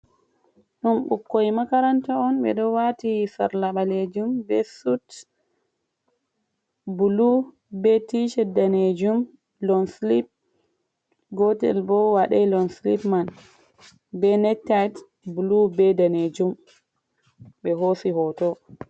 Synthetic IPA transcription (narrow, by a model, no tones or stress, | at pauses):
ɗunɓṵkːojmakaɾantaɔnɓɛ̰ɗɔwatisa̰ɾlaɓaled͡ʒumbɛsut | bulu | bɛtiʃɛdaned͡ʒum | lɔnslip̚ | ɡɔtɛ̰lbɔwaɗalɔnslḭpman | bɛnɛtːat | bulubɛdaned͡ʒum | ɓɛɦosihɔtɔ